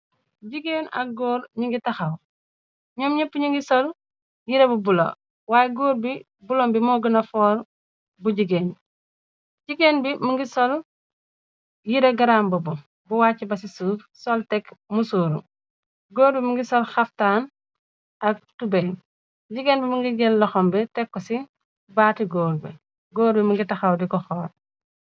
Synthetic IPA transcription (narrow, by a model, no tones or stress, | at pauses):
ɟiɡeːnɐ̰k̚ɡɔːɾɲiŋɡitɐxɐw | ɲɔmɲɐpːuɲiŋɡisɔl | jiɾebubulo̰ | waːjeɡoːɾbi | bulombimɔːɡənɐfɔːɾ | buɟiɡeːn | ɟiɡenbimuŋɡisɔl | jiɾɐɡɐɾaːmbɐbu | buwaːcːibɐs̬isuːɾ | sɔltɛkmusuːɾṵ | ɡoːɾbimuŋɡisɔlxaftaːn | ʔɐk̚tube | ɟiɡenbimuŋɡiɡɛllɔxɔmbɛtɛkːɔsi | baːtiɡoːɾbi | ɡoːɾbimuŋɡitɐxawdikɔxɔːɾ